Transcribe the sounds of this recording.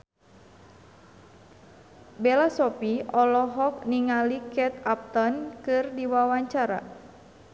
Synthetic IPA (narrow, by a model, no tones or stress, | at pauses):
belasɔpiɔlɔɦɔk̚niŋalikɛt̪ap̚t̪ɔnkɨrdiwawaɲt͡ʃaɾa̰